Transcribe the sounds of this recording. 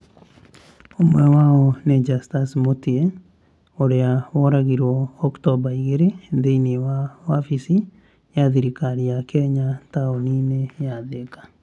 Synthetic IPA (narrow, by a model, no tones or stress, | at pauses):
omwɛwaɔned͡ʒastasmotie | oɾeaβɔɾaɣiɾɔːktɔbaiɣeɾeðeinewawafisi | jaðiɾikaɾiakʰɛɲataɔninejaðekḁ